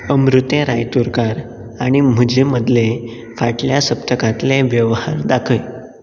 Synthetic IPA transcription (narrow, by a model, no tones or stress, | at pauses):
əmɾut̪jeɾajt̪uɾkaɾ | aɽ̃im̤əd͡ʑeməd̪le | faʈljasəpt̪əkãt̪leʋjəʋhaɾd̪akʰəj